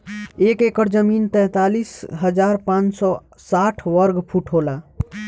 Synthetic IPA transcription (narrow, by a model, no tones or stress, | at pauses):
ekekəɾd͡ʒəmint̪ɛ̃ːt̪alisɦəd͡ʒaɾpãt͡ʃsɔ | saʈʰʋəɾɡpʰuʈʰɦola